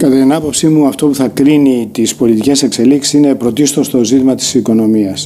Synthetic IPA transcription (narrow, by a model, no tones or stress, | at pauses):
kɐt̪ɐt̪inɐpo̞psimuɐft̪o̞puθɐkɾinit̪ispo̞lit̪ice̞se̞kse̞liksi̥sine̞pɾo̞t̪ist̪o̞st̪o̞zit̪imɐt̪i̥siko̞no̞miɐs